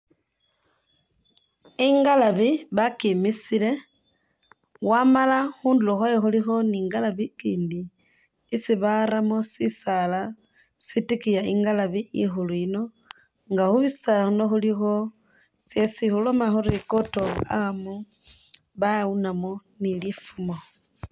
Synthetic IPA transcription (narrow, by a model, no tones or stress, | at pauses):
iŋɡalaβiβakimisile̞ | wamalaxuːnduloxwajoxulixo̞niːŋɡalaβikiːndiː | siβaɾamosisala | sitikijaiŋɡalaβiʔixuluino̞ | ŋɡaxuβisaxuno̞xulixo̞ | sjesixulomaxuɾikotoamo | βaunamonilifumo